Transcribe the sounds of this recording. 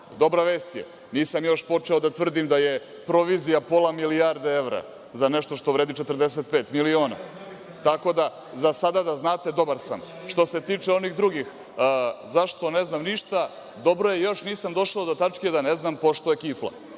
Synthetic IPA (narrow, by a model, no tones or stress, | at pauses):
d̪o̞bɾaʋeːst̪jḛ | niːsamjo̞ʃpo̞t͡ʂeod̪at̪vr̩d̪imd̪aje̞ | pɾo̞ʋizijapo̞lˠamiliaɾd̪ee̞ʋɾa̰ | zaneʃt̪o̞ʃt̪o̞ʋɾeːd̪it͡ʃet̪r̩d̪es̬et̪̚pe̞ːt̪milio̞ːna̰ | t̪ako̞d̪a | zasad̪ad̪aznaːt̪e̞d̪o̞baɾsa̰m | ʃt̪o̞se̞t̪iːt͡ʂeo̞niɣd̪ɾuɡix | zaʃt̪o̞neznamniʃt̪a | d̪o̞bɾo̞jejo̞ʃniːsamd̪o̞ʃaod̪o̞t̪at͡ʂked̪aneznaːmpo̞ʃt̪o̞jekiflˠa̰